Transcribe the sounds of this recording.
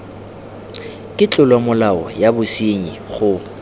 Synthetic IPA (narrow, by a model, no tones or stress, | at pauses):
kʼɪt͡ɬʼʊlwamʊlaɔ̰jabʊsiɲiχʊ